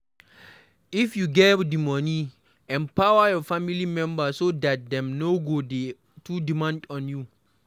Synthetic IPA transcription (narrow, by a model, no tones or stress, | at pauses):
ifjuɡɛdimɔni | ɛ̃mpawajɔfamilimɛ̃mbasodat̚dɛ̃mnoɡodi | tudimãndɔ̃nju